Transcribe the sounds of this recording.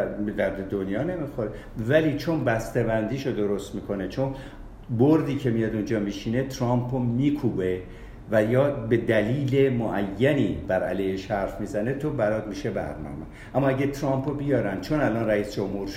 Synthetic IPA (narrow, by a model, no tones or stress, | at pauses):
bed̪æɾd̪ed̪onjɒːne̞mixoɾe | væliːt͡ʃʰo̞nbæst̪ebænd̪iːʃod̪o̞ɾo̞st̪miːkʰo̞net͡ʃʰon | boɾd̪iːcʰe̞mijɒd̪und͡ʒɒːmiːʃiːne̞t̪ʰɾɒmpʰomiːkʰuːbe | væjɒːbe̞d̪æliːle̞moʔæjːæniːb̥æɾæ̰lejheʃhæɾfmiːzæne̞t̪ʰo̞bælɒːd̪miʃe̞bæ̰ɾnɒ̰ːme | ʔæmːɒːæɟet̪ʰɾɒmpʰobijɒːɾænd̪̚t͡ʃʰo̞nælɒnræiːsd͡ʒo̞mhuːɾ